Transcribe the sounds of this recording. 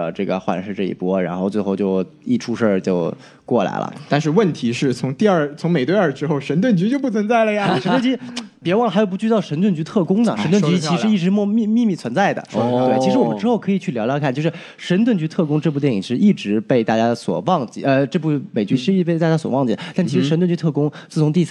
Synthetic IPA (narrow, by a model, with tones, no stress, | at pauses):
ə̰˧ʈ͡ʂɤ˥˩ɡə̰˩xwa̰˧˩nʂɻ̩˥˧ʈ͡ʂɤ˥˩ḭ˧˩pwɔ˥ɻa̰˧˥nxo˥˧ʊt͡swxo˥˧ʊt͡ɕjo˥˧ʊi˥˩ʈ͡ʂʰu˥ʂə˞˥˧˩t͡ɕjo˥˧ʊ | kwɔ˥˩la̰˧˥ɪlʔə̰˧t̪a˥˧nʂ̬ɻ̩˥˧wə˥˩nt̪ʰi˧˥ʂɻ̩˥˩t͡sʰʊ˧˥ŋt̪i˥˧ə˞˥˩t͡sʰʊ˧˥ŋme˨˩ɪt̪we˥˧ə˞˥˩ʈ͡ʂɻ̩˥xo˥˩ʊʂə˧˥nt̪wə˥˩nt͡ɕy˧˥t͡ɕjo˥˧ʊp̬u˥˩t͡sʰə˧˥nt͡sa˥˩ɪlə˩ja˨ʂə˧˥t̪wnt͡ɕpwɑ˥˩lə˩xo˨˩ʊpu˧˥t͡ɕy˥˧t̪ɑ˥˩ʊʂə˧˥nt̪wə˥˩nt͡ɕy˧˥t̪ʰɤ˥˩kʊ˥ŋd̪ə̰˨˩ʂə˧˥nt̪wə˥˩t͡ɕy˧˥t͡ɕʰi˧˥ʂɻ̩˥i˥˩ʈ͡ʂɻ̩˧˥˧mi˥˧mi˥˧mi˥˩t͡sʰwə˧˥nt͡sa˥˩ɪd̪ə̰˩˥t̪we˥˩t͡ɕʰʂɻ̩˧˥wɔ˨˩ə˦ʈ͡ʂɻ̩˥xo˥˩ʊkʰɤ˧˥i˨˩t͡ɕʰy˥˩ljljkʰa˥˩nt͡ɕjʂɻ̩˥˩ | ʂə˧˥nt̪wə˥˩nt͡ɕy˧˥t̪ʰɤ˥˩kʊ˥ŋʈ͡ʂɤ˥˧pu˥˧t̪jɛ˥˩n˩i˨˩ʂɻ̩˥˧ʔi˥˩ʈ͡ʂɻ̩˧˥pe˥˧ɪt̪a˥˩t͡ɕja˥swɔ̰˨˩wɑ˥˩ŋt͡ɕḭ˧˩ə˧ʈ͡ʂɤ˥˧pu˥˩me˨˩ɪt͡ɕy˧˥˧pe˥˧ɪt̪a˥˩t͡ɕja˥swɔ̰˨˩wɑ˥˩ŋt͡ɕḭ˨˩d̪ə˩t̪a˥˩nt͡ɕʰɻ̩˧˥ʂə˧˥nt̪wə˥˩t͡ɕy˧˥t̪ʰɤ˥˩kʊ˥ŋt͡sɹ̩˥˩t͡sʰʊ˧˥ŋt̪i˥˧